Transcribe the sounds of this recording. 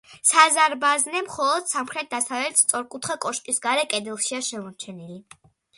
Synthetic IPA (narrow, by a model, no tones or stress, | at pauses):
sazaɾbaznɛmχɔlˠɔd̪̥samχɾɛt̪̚d̪asavlɛt̪st̪sʼɔɾkʼut̪ʰχakʼɔʃkʼisɡaɾɛkʼɛd̪ɛlˠʃiaʃɛmɔɾt͡ʃʰɛnili